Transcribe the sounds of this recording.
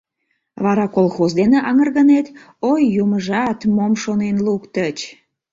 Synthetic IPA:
βɑɾɑkolxozd̪eneʔɑŋərɣənet̪ | ojːuməʒɑt̪momʃonenlukt̪ət͡ɕ

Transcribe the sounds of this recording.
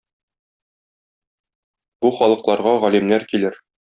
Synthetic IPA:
b̥uχɒlˠɤ̆qlˠɑɾʁɑʁɒlimnæɾkilɘɾ

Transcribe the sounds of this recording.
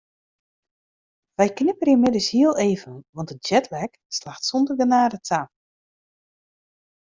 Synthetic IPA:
ʋɛjknɪpərimɪdəshiəlˠeːvənʋɑntət̚d͡ʒɛtʰlɛk | slaxtsɔndərɡənaːdətʰa

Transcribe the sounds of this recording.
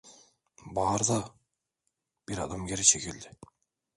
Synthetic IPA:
bɑːɾd̪ɑ | b̥iɾɑd̪ɑmɡʲeɾiʃekild̪ɪ

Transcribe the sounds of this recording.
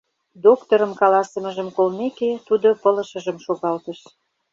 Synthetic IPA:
d̪okt̪oɾə̆mkɑlɑsə̆mə̆ʒə̆mkolmeket̪ud̪opə̆lə̆ʃə̆ʒə̆mʃoɣɑlt̪ə̆ʃ

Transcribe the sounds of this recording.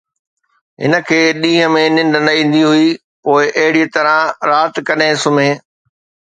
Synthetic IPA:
ɦɪ̰nə̆kʰeːɗĩːɦə̆mẽnɪ̃ɳɖnɐĩːn̆d̪iɦʊi | poːɪʔɐɦɪɽit̪ɐɾə̃ɾaːt̪kɐɗẽsʊmẽː

